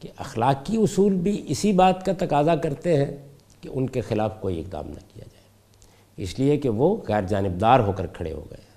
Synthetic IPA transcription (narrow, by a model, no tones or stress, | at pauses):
keʔɐxlaːkiʊsuːlbʱiʔɪsibaːt̪kat̪ɐqaːzakɐɾt̪eɦɛ̃ | keʔʊnkexɪlaːfkoːiɪq̚d̪a̰ːmnɐ̰kija̰d͡ʒaːe | ɪ̰sliekeʋoɣɛːɾd͡ʒaːnɪb̚d̪aːɾɦoːkəɾkʰɐɽḛɦo̰ɡɐ̰e